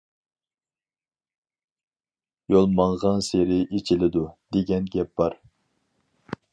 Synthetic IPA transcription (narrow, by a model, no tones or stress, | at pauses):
jolˠmɑŋʁɑnseɾɪʔet͡ʃʰɪlɪd̪ud̪̥eɡʲɛnɡʲɛp̚b̥ɑɾ